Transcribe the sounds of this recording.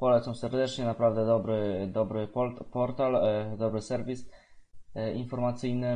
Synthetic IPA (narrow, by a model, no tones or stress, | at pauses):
pɔlɛt̪sɔmsɛɾd̪ɛt͡ʂɲɛnapɾavd̪ɛd̪ɔbɾɘd̪ɔbɾɘpɔpɔɾt̪ald̪ɔbɾɘsɛɾvʲis | infɔɾmat̪sɘjnɘ